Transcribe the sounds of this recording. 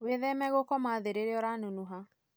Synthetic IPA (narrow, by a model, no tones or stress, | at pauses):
weðɛmɛɣokɔmaðeɾeɾeɔɾanunuɦa